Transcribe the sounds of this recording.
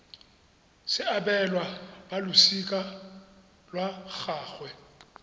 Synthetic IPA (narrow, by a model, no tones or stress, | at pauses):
sɪabɛlwabalʊsikʼa | lwak͡xaːɣwɛ